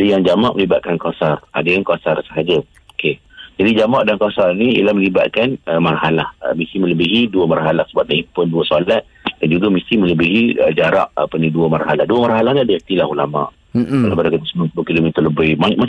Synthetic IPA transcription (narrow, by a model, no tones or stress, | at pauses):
adəjaŋd͡ʒamaʔməlibat̪̚kankasara̰dəjaŋkasarsəɦad͡ʒə | oke | d͡ʒadid͡ʒamaʔdankasarniḭlahməliba̰t̪̚kanəmarhalahə̰misimə̃ləbiɦiduəmarɦalahsəbaʔ̚daipʊnduəsolat̪̚dand͡ʒuɡamisimə̃ləbiɦiəd͡ʒaɾa̰ʔa̰pəniduəmarɦalahduəmarɦalahniadəist̪ilahulama̰ʔ | alabəɾakət̪əsəmapulukilomit̪ərləbəjmama